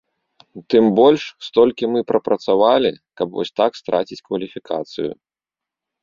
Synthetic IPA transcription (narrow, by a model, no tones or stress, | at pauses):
t̪ɨmbɔlʲʂst̪ɔlʲkʲimɨpɾɐpɾɐt̪savalʲḭkɐpvɔ̰sʲt̪akst̪ɾʔa̰t͡sʲit͡sʲkvɐlʲifʲikʰa̰t̪sɨjṵ